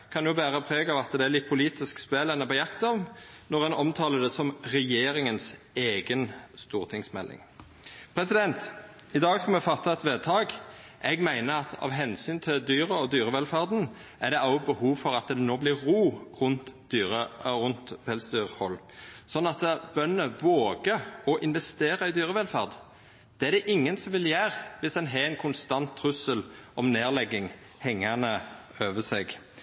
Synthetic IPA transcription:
kʰɑnjʊbæːʁəpʰʁeːɡɑʋɑt̪d̪ɛælɪt̪̚pʰʊliːt̪ɪskspeːlɛnəbɛjɑkt̪ɑʋnɔʁɛnɔmt̪ʰɑːləd̪ɛsɔmʁɛjeːɾɪŋəns | eːɡənst̪uːʁt̪ʰɪŋsmɛ̰lʔɪ̰ŋ | pʰʁɛsɪd̪ɛnt̪ | ɪd̪ɑːɡskɑmɛfɑt̪ʰːɑɛt̪ʋeːd̪̚t̪ʰɑːɡ | ʔɛɡmæɪnəɑt̪ʰɑ̰ʋɦɛnsyːnt̪ʰɪld̪yːʁəɔd̪yːʁəʋɛlfæʁd̪n̩ | æd̪ɛʔɑʊbəhuːʋfɔɾɑt̪d̪ɛnoːblɪːuːʁʊnt̪d̪̥yːʁəʁʊnt̪ʋɛlsd̪yːʁhɔlː | sɔnːɑt̪əb̥œnəʋoːɡəɾɔʔɪnʋɛst̪eːɾəɪd̪yːɾəʋɛlfæʁd̪ | d̪̥ɛːæd̪ɛʔɪŋːənsɔmʋɪljæːʁʋɪsd̪ɛnɦɛɛɪnkʰʊnst̪ɑnt̪ʰːʁʉsəlʔɔmneːʁlɛɡːɪŋ | hɛŋːɑnəøːʋəsɛɡ

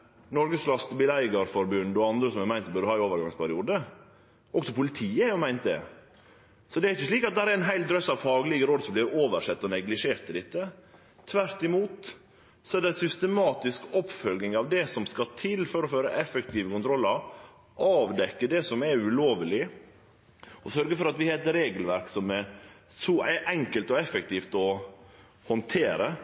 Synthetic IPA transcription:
nɔɾɡəsflɑst̪bɪlæɪɡəɾfɔɾbʉnd̪ɔɑnd̪ɾəsɔmɛmæɪnt̪bœɾd̪əhɑːɪoːʋəɾɡɑŋspæɾɪuːd̪ə | ʔɔksɔpʊlɪt̪ʰiːəhɑʊmæɪnt̪̚d̪ɛ̰ | sɔd̪ɛæɾɪçːəsliːkɑt̪̚d̪ɛhæɾæɾɪnɦæɪlt̪̚d̪ɾœsɑʋfɑːɡəlɪɡəɾoːd̪sɔmblɪɾoːʋəɾʂɛt̪ːɔnɛɡlɪʂeːɾt̪ːɪd̪ɪt̪ːə | t̪ʰːʋæɾt̪ɪmuːt̪ | sɔɛɖ̪ɛsʏst̪əmɑːt̪ɪskɔpːfœlɡnɪŋɑʋd̪ɛsɔmskɑt̪ʰɪlːfɔɾɔføːɾəʔɛfɛkt̪ʰiːʋəkʊnt̪ʰɾɔlːɑɾ | ʔɑːʋd̪ɛkːəɖɛsɔmɛɾʉloːʋəlɪ | ɔsœɾɡəfɔɾɑt̪ʋɪheːt̪ːəɾeːɡəlʋæɾksɔmɛɾsɔʔɛɾʔɛŋkəlt̪ɔɛfːɛkt̪ʰiːft̪ɔ | hɔnt̪ʰeːɾə

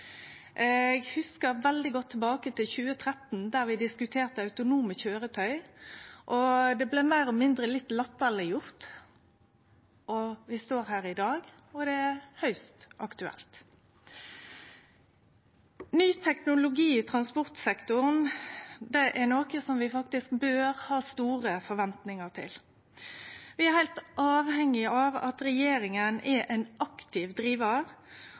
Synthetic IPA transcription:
ʔɛɡhʉskəʁʋɛld̪ɪɡɔt̪ʰːɛbɑːkət̪ɪlçʉːət̪ʰʁɛt̪n̩d̪æʁʋɪd̪ɪskʉt̪ʰeːʁt̪əɑʉt̪ʊnuːməçøːʁət̪ʰœʏʔɔd̪ɛblɛmæɪʁɔmɪnd̪ʁəlɪt̪ːlɛt̪ːəʁlɪjʊʁt̪ | ʔɔʋɪst̪oːɾhæːʁɪd̪ɑːɡ | ɔd̪ɛæhœʏst̪ʔɑkt̪ʉɛ̰lt̪ | nyːt̪ʰɛknʊlʊɡiːt̪ʰɾɑnspɔʁt̪sɛkt̪ʊʁnd̪ɛʔæɾnoːkəsɔmʋɪfɑkt̪ɪskbøːʁhɑːst̪uːʁəfɔɾʋɛnt̪nɪŋəʁt̪ʰɪ̰l | ʋɪæɾhæɪlt̪ʔɑːʋhɛŋːɪɑʋɑ̰t̪ɾɛjeːɾɪŋənɛʔɛnʔɑkt̪ɪʋd̪ɾiːʋəʁ

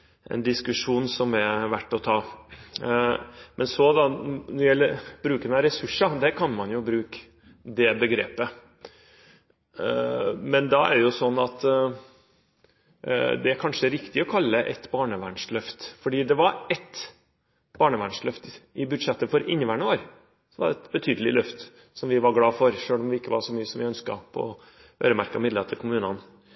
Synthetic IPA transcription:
ʔɛ̰nd̪ɪskʉʂuːnsɔmɛʋæʈːɔt̪ʰɑː | mʔɛnsɔd̪ɑnɔɾɪjɛlːəɾb̥ɾʉːkənɑɾɛsʉʂɑd̪ɛkʰɑnmɑnjʊbɾʉːk | d̪ɛbəɡɾeːpə | mɛnd̪ɑæ̰ɾɛjʊsɔnːɑt̪ | d̪ɛæɾkʰɑnʂəæɾɪkt̪ɪɔkʰɑlːəʔɛt̪bɑːɳəʋæɳʂlœft̪fɔɖiːd̪ɛʋɑɾɛt̪ | b̥ɑːɳəʋæɳʂlœft̪ɪbʉd̪ʂɛt̪ːəfɔɾʔɪnːəʋæːɳəoːɾ | sɔʋɑ̰ɖɛɛt̪bət̪ʰyːd̪əlɪlœft̪ | sɔmʋɪʋɑɾɡlɑːfɔɾʂøːlɔmʋɪɪkːəʋɑʂɔmyːəsɔmʋɪœnskɑ̰pʰɔ̰ | ø̰ːɾəmæɾkɑmɪd̪leːt̪ʰəlkʰʊmʉːnɑn

